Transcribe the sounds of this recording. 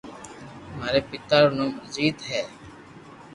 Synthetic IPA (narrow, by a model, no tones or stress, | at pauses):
maːɾeːpɪt̪aːɾːnõːməziːd̪ɦɛː